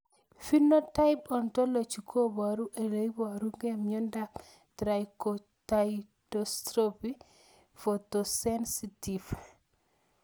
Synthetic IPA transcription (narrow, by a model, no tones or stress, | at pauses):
finotajpɔntolot͡ʃukʰobaɾuʔelejboaɾuŋɡemɲɔndak | tɾajko | taj | dostɾopi | fotosensitif